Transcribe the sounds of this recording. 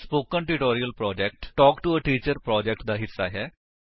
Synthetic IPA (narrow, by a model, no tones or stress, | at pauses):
spoːkəɳʈuʈoːɾijəlpɾɔːd͡ʒɛk̚ʈʈɔːkʈuəʈiːt͡ʃəɾpɾɔːd͡ʒɛk̚ʈd̪aːɦɪsːa̰ːɦɛː